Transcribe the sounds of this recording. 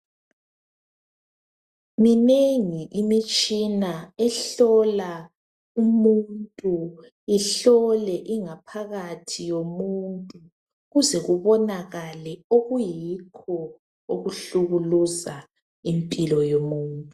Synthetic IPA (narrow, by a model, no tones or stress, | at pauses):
mineŋiʔimit͡ʃʼinaɛɬɔla | umuntʼu | iɬɔlɛʔiŋapʰaɣatʰijomuntʼu | ɣuzɛɣuβɔnaɣalɛoɣujikʰɔ | uɣuɬuɣuluza | impʼilɔjomuːntʼu